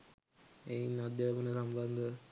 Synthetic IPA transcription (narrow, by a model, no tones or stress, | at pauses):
ejinad̪jaʋənəsamband̪ə